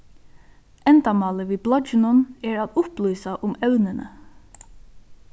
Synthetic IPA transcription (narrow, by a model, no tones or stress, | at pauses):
ɛnt̪amɑːləʋiːblɔd͡ʒɪnʊnɛːɹat̪ʊplyːsaʔʊmɛwnənʔə̰